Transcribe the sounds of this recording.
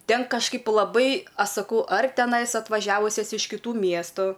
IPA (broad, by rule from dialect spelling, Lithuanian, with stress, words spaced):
ˈtʲɛn kɐʃˈkɐɪp lˠɐˈbɐɪ ˈɐʃ sɐˈkɐʊ ɐr tʲɛˈnɐɪs ɐtʋɐˈʒʲæːʋʊsʲɛs ɪʃ kʲɪˈtuː ˈmʲiɛstʊ